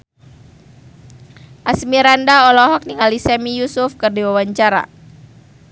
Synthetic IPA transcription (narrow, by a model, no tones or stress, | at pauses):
ʔasmiɾandaɔlɔɦɔk̚niŋalisɛmijusufkɨrdiwawaɲt͡ʃaɾa̰